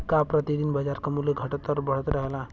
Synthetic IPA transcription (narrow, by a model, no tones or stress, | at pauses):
kapɾət̪id̪iːnbəd͡zaɾkəmuleɡʱəʈət̪əɾbəɭ̤ət̪ɾəɦla